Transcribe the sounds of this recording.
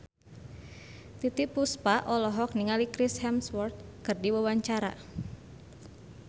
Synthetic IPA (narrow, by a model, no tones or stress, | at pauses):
t̪it̪ipuspaʔɔlɔɦɔk̚niŋalikɾishɛmswɔrt̪̚kərdiwawaɲt͡ʃaɾa̰